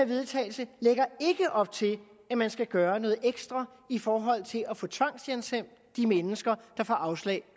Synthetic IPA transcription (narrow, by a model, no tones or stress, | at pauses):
ʋe̝ðˠt͡sʰɛ̰ːɪlsəleɡ̥ɐe̝ɡ̥əʔɒ̽b̥̚t͡sʰe̝l | æmænsɡ̥æɡ̥ɶːɐnɔ̽ːð̩ˠeɡ̥sd̥ʁɐ | ifɒːɦɒ̽l̰t͡sʰe̝læfɔ̽t͡sʰʋɑ̈ŋ̰sjensem̰d̥ | d̥imenəsɡ̥ɐd̥ɑ̈fɒʔɑ̈ʊslɛ̰ɪ